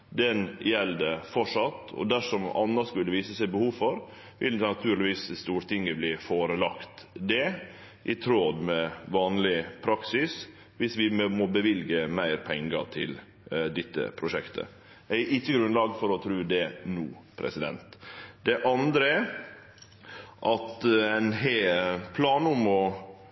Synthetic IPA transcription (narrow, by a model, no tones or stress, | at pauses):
d̪ɛnjɛld̪əfɔʂɑt̪ːɔ̰d̪æʂɔmɑ̰nːɑskʉlːəʋiːsəsæɪbəhuːʋfɔɾ | ʋɪld̪nɑt̪ʰʉːɾlɪʋiːsst̪uːɾʈ̪ɪŋːəbliːfoːɾəlɑkt̪d̪ɛ | ʔɪt̪ʰɾoːd̪mɛʋɑːnlɪpʰɾɑksɪs | ʋɪsʋɪmmɔbəʋɪlɡəmæɪɾpʰɛŋːət̪ʰɪ̰l | d̪ɪt̪ːə̰pʰɾʊʂɛkt̪ʰə̰ | æɪʔɪt͡ʃːəɡɾʉnlɑːɡfɔɾɔt̪ʰɾʉːd̪ɛnṵːpʰɾɛ̰sɪd̪ɛ̰nt̪d̪ɛʔɑnd̪ɾəɛ | ʔɑt̪æɪnɦepʰlɑːnʊmɔ